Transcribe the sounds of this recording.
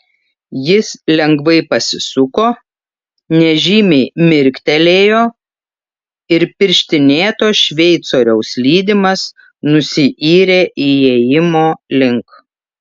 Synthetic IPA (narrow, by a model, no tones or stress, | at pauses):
jɪslʲɛŋɡʋɐɪpɐsʲɪsʊkoː | nʲɛʒʲiːmʲɛɪmʲɪɾʲkʲt̪ʲɛlʲeːjoː | ɪɾpʲɪɾʲʃʲt̪ʲɪnʲeːt̪oːʃʲʋʲɛɪt̪soːɾʲɛʊslʲiːd̪ʲɪmɐs | nʊsʲɪʔiːɾʲeːʔijejɪmoːlʲɪŋk